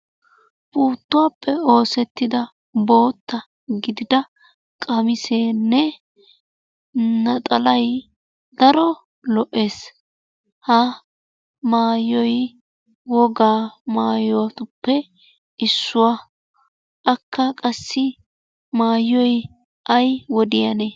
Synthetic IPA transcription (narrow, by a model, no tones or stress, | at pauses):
b̥ʼuːt̪ːʊwapːɛo̞ːsɛt̪ːɪd̪ɐ | bo̞ːt̪ːɐ | ɡɪd̪ɪd̪ɐ | kʼɐmɪseːnːɛ | nɐt̪ʼɐlɐj | d̪ɐɾɔ | lɔʔe̞ːs | hɐ | maːjːɔj | wɔɡaːmaːjɔwɐt̪ʊpːɛ | ɪsːʊwa | ʔɐkʰːɐkʼɐsːɪ | maːjɔj | ʔɐjwɔd̪ɪjɐneː